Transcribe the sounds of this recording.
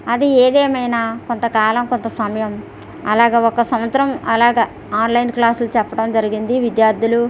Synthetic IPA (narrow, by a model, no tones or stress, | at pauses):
ɐd̪ieːd̪eːmɐjnaːko̞nt̪ɐkaːlɐmko̞nt̪ɐsɐmɐjɐm | ɐ̰laːɡeːɔkɐsɐmʋɐt̪ːɾɐmɐlaːɡɐː | aːnlɐjnklaːsulut͡ʃɛpːɐʈɐmd͡ʒɐɾiɡind̪iʋid̪jaːɾd̪ʱulu